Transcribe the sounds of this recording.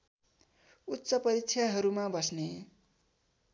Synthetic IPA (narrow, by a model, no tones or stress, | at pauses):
utːsʌpʌɾikt͡sʰjaɦʌɾumabʌsne